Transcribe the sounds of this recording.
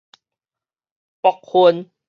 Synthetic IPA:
pɔ˨k̚hu˧ən

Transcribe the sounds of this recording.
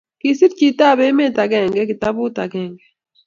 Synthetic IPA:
ki˨si˦tt͡ʃi˨ta˦˨βe˦me˦˨ta˨ɡɛ˨ŋɡɛ˦ki˨ta˦βu˦ta˨ɡɛː˨ŋɡɛ˦

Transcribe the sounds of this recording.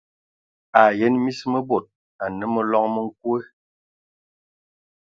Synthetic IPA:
a˨je˨˦nmi˦smə˦bo˨t̚ | a˨nə˨˦mə˦lɔ˦ŋmə˦ŋ̩˦k̚we˦

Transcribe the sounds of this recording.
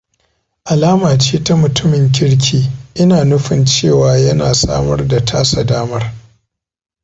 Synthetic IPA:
ʔa˨laː˦maː˨t͡ʃeː˦ta˦mʊ˨tʊ˦mɪ˨ŋk̬ʲɪ˦ɽk̬ʲʰiː˦ʔɪ˦naː˨nʊ˦ɸɪ˨nt͡ʃeː˦˨waː˨jɐ˦naː˨sa̰ː˦mɐ˦rda˨tʰaː˦sa˨daː˦mɐ˦r

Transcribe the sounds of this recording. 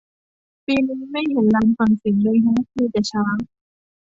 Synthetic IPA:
piː˧niː˧˥ma˥˩jt̪uː˨˩laː˧mfa˨˩ŋsi˨˩˦ŋdoː˧jɦɔ˧˥˩ŋt̪ʰiː˧t͡ɕa˨˩t͡ɕʰaː˦˥ŋ

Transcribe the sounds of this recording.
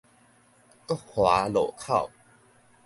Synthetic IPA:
ə˥hwa˨˦lo˨˩kʰa˥˨w

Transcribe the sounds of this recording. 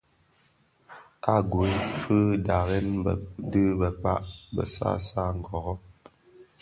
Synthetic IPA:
a˦˨ɡwe˦fɨ˦da˨ɣɛ˦nbə˨dɨ˦bə˨k͡pa̰˦ʔbə̰˨sa̰˦sa˦˨ŋ̩˨ɡɔ˨ɣɔ˦

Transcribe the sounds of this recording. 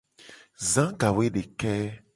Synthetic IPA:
zã˨˦ɡa˨we˦ɖe˨kɛ˦

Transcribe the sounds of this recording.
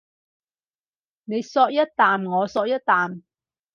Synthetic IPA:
ne˨˧jsɔː˧k̚jɐ˥t̚t̪aː˨mŋɔː˨˧sɔː˧k̚jɐ˥t̚t̪aː˨m

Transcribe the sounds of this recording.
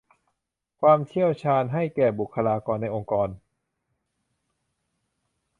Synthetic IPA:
kʰwaː˧mt͡ɕʰi˥˩əwt͡ɕʰaː˧nɦa˥˩jkɛː˨˩bu˨˩kʰːa˧laː˧kɔː˧nːa˧jʔo˧ŋkɔː˧n

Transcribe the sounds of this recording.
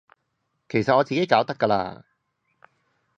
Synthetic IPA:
kʰe˨˩jsɐ˨t̚ɔː˨˧t͡siː˨ke˨˥jkaː˨˥wt̪ɐ˥kːɐ˧la̰ː˧

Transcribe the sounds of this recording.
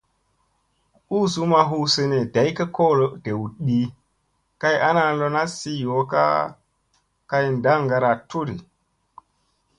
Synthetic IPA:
u˦su˦ma˨ɦu˦se˨ne˨da˨˦jka˦ko˦lo˨d̥e˨wɗi˦ | ka˦ja˦na˦˨lo˦na˦si˦jo˨˦ka̰˦ | ka˦jnda˦ŋɡa˨ɾa˨tu˦ɾi˨

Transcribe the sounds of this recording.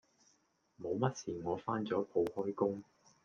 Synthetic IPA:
mo˨˧wmɐ˥t̚siː˨˩ŋɔː˨˧faː˥nt͡sɔː˨˥pʰo˨˧whɔː˥jkʊ˥ŋ

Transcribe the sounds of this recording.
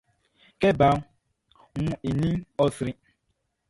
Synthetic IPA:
ke˦ba˨ŋ˦ | ŋʊ˦i˨nĩ˦ɔ˦sɾi˦

